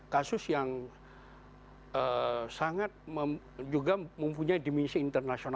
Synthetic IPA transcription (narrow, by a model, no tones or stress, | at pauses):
kasʊsjaŋ | əsaŋat̪̚məm | d͡ʒuɡaməmpuɲaidiminsiːnt̪ərnasiona